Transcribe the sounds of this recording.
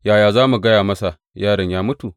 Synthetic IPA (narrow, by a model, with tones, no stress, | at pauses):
jaː˨jaː˨zaː˦mu˨ɡɐ˦jaː˨mɐ˦sa˨ | jaː˦ɽɪ˨ɲjaː˦mʊ˦tu˨